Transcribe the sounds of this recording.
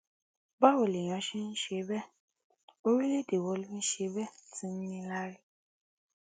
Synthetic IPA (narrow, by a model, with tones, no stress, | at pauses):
ba˦wo˨le˨j̃ɔ̃˨˦ʃi˦n̩˦ʃe˦bɛ˦ | o˦ɾi˦le˦de˨wɔ˨˦li˦mĩ˦ʃe˨˦bɛ˦ti˦n̩˦nĩ˦la˦ɾi˦